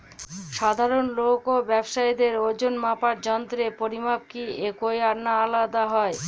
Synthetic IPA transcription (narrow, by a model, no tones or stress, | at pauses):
ʃad̪ʱaɾonlokobɛbʃajd̪eɾod͡ʑonmapaɾd͡ʑɔnt̪ɾepoɾimab̚kiekojaɾnaalad̪aɦɔe